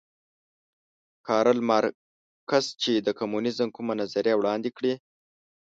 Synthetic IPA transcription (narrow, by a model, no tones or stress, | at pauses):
kʰɑɾəlmaɾ | kazt͡ʃed̪əkamunɪzəmkumanazaɾjawɽɑnd̪ekɽi